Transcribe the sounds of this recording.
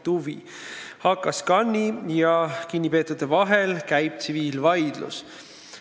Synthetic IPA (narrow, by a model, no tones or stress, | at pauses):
t̪uvḭ | hɑkːˑɑskɑnʲːijɑkinʲːipe̞ːt̪ːˑud̪̥evɑɦe̞lkæjb̥̚t̪siviːlvɑjd̪̥lṵs